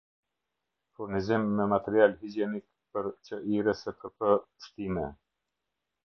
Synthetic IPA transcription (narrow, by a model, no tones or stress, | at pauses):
fuɾnizimːɛmat̪ɛɾialhid͡ʒɛnik̚ | pəɾt͡ʃəʔiɾəsəkʰəpəʃt̪imɛ